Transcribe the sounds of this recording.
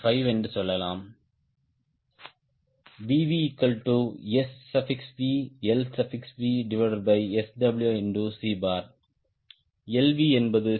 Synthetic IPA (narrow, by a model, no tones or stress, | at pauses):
fɐɪʋɛndɯsɔlːɐlaːm | biːʋiɪkːɐlʈuːɛsːɐfɪksʋiːɛlsɐfɪksʋiːɖɪʋɐɖɐɾbɐɪɛsɖɐbɪljuːɛnɖuːsiːbaːɾ | ɛlʋiːɛnbɐðɯ